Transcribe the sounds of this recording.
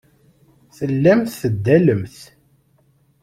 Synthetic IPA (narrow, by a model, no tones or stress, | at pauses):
θəlːæmθθəd̪ːæləmθ